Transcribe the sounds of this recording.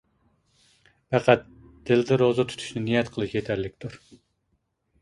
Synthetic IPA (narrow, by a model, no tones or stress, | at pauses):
pæqæt̪̚ | d̪̥ɪld̪ɪɾozɑt̪ʰy̥t̪ʰy̥ʃnɪnijɛt̪qʰəlˠɨʃjet̪ʰæɾlɪkʲt̪ʰuɾ